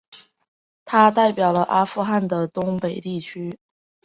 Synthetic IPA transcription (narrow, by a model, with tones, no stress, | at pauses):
t̪ʰa˥t̪a˥˩ɪpjɑ˨˩ʊlə˦˧ʔa˥fu˥˧xa˥˩nd̪ə˩t̪ʊ˥ŋpe˨˩ɪt̪i˥˩t͡ɕʰy˥